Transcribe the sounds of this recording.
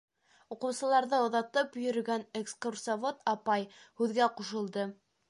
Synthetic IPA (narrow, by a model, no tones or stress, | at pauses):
uqɤ̆wsɤ̆lˠɑɾðɤŏðɑt̪ɤpjɵ̆ɾɵ̆ɡænekskursavot̪ɑpɑjhʉðɡæquʃɤ̆lˠd̪ɤ